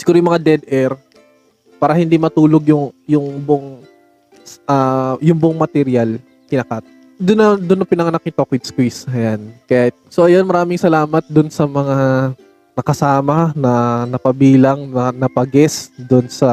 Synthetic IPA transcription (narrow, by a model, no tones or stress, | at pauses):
sɪ̥ɡuːɾojʊmɐŋad̪ɛd̪ʔɛɾ | paːɾɐhɪnd̪imɐt̪uːloɡjʊŋjʊŋboŋ | ʔajʊŋboŋmɐt̪ɛɾjal | kɪnɐkat̪̚ | d̪ʊnːɐd̪ʊnːɐpɪnɐŋɐnak̚ːɪt̪okwɪd̪̚skwisɐjankɐjasoʔɐjo̞nmɐɾaːmɪŋsɐlaːmɐt̪̚d̪ʊnsɐmɐŋa | nɐkɐsaːmɐnɐnɐpɐbiːlɐŋnɐnɐpɐɡɛsd̪ʊnsɐ